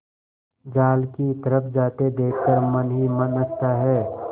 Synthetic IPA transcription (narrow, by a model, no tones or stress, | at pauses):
d͡ʒaːlkit̪əɾəpʰd͡ʒaːt̪ed̪eːk̚ʰkəɾmənɦimənəst̪aɦɛː